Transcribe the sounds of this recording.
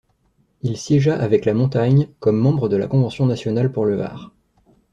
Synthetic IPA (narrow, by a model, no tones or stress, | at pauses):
ilsjɛʒaʔavɛklamɔ̃t̪aɲkɔmːɑ̃bʁəd̪əla̰kɔ̃vɑ̃sjɔ̃nasjɔnalpuʁləva̰ːʁ